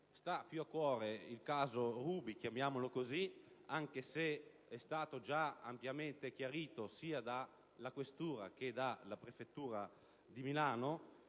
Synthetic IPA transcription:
st̪apjuakːwɔːɾeilkaːzoruːbik̟jamjaːmolokoziaŋkese | ɛst̪aːt̪od͡ʒaampjament̪ek̟jaɾiːt̪osiːad̪a | lakwest̪uːɾa̰ked̪alapɾefet̪ːuːɾa | d̪imilaːno

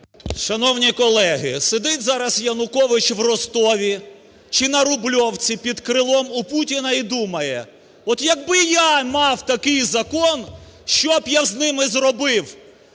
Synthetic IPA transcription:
ʃɐnɔwnʲikɔlˠɛɦɪsed̪ɪtʲzɑɾɐsjɐnʊkɔʋɪt͡ʃʋrɔst̪ɔʋʲi | t͡ʃɪnɐɾʊblʲɔwt͡sʲipʲid̪kɾɪlˠɔmuputʲinɐid̪umɐjɛ | ɔt̪jɐɡ̚bɪjamɑwt̪ɐkɪjzɐkɔnʃt͡ʃɔbjaznɪmɪzrɔbɪw

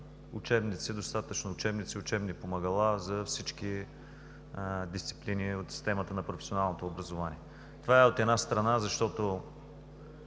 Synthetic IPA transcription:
ʊ̰t͡ʃɛbnit̪sid̪ost̪at̪ət͡ʃnoːt͡ʃɛbnit̪siʊt͡ʃɛbnipomɐɡɐlˠazɐfsit͡ʃki | d̪ist̪si̥pliniot̪si̥st̪ɛmət̪ənɐpɾofɛsionalˠnot̪oːbɾɐzovanḭɛ | t̪ovaɛot̪ɛd̪nast̪ɾɐnazɐʃt̪ɔt̪o

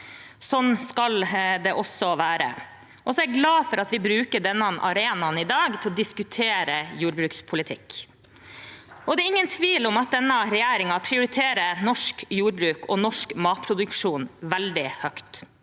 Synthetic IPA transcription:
sɔnːskɑld̪ɛʔɔsɔʋæːɾə̰ | ʔɔsɔæɾɡlɑːfɔɾɑt̪ʋɪbɾʉːkəɖɛnːɑnʔɑ̰ɾeːnɑnɪd̪ɑːɡt̪ʰɪlɔd̪ɪskʉt̪ʰeːɾəjuːɾbɾʉːkspʰʊlɪt̪ʰɪk | ʔɔd̪ɛæɾɪŋːənt̪ʰʋiːlɔmɑt̪̚d̪ɛnːəɾɛjæːɾɪŋɑpʰɾɪʊɾɪt̪ʰeːɾənɔʂkjuːɾbɾʉːkʰɔnɔʂkmɑːt̪̚pʰɾʊd̪ʉkʂuːnʋæld̪ɪhœkt̪

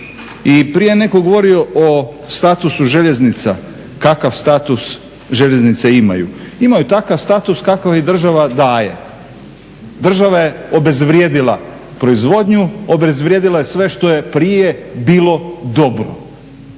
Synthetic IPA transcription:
ipɾije̞ne̞koɡo̞ʋo̞ɾio̞ʔo | st̪at̪usuʒeʎe̞znit̪sa | kakaʋst̪at̪us | ʒe̞ʎe̞znit̪seima̰jṵimajut̪akaʋst̪aːt̪uskakaʋid̪r̩ʒaʋad̪aːje̞̰ | d̪r̩ʒaʋaje̞obe̞zʋɾje̞ːd̪ilˠa̰ | pɾo̞izʋo̞d̪ɲuobe̞zʋɾjeːd̪ilˠajesʋe̞ʃt̪o̞je̞pɾije̞biːlˠo̞d̪o̞bɾo̰

